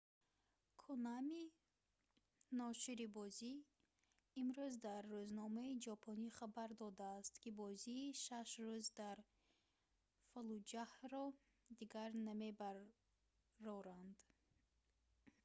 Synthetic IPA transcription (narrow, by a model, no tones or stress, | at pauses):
kʰunami | nɔʃiɾibɔziː | mɾuzd̪aɾːuznɔmaid͡ʒɔpʰɔniχabaɾd̪ɔd̪aːst̪kibɔziːʃaʃruzd̪aɾ | falud͡ʒahɾɔ | d̪iɡaɾnamebaɾ | ɾɔɾand̪̥